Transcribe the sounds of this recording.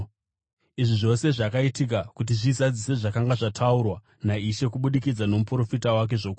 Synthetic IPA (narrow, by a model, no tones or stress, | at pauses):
iʐiʐo̞se̞ʐakaitik̬akut̬iʐizad͡zise̞ʐakaŋɡaʐatʰaurwa | naiʃe̞kuɓuɗikid͡zano̞mupuɾo̞fitawak̬e̞ʐo̞ku